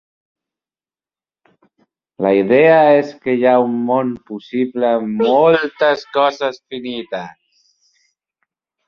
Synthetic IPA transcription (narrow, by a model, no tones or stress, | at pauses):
laid̪e̞ae̞ske̞jaunmonpusiblamolt̪askozasfinit̪as